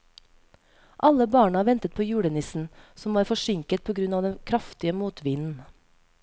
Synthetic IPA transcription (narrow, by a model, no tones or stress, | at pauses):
ʔɑləbɑːɳəɑːʋɛnt̪ət̪̚pʰoːjʉːɽənɪsn̩sɔmʋɑːɾfɔʃɪŋkət̪̚pʰoːɡɾʉnɑːʋd̪ɛnkʰɾɑft̪ɪəmuːt̪ʰʋiːnn̩